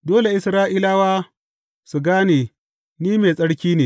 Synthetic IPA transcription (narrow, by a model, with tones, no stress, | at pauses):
doː˦le˨ʔɪ˨˦sɾaː˦ʔiː˦laː˦waː˦ | su˨ɡaː˦neː˨ | niː˦me˨sʼɐ˦ɽkʲiː˦neː˨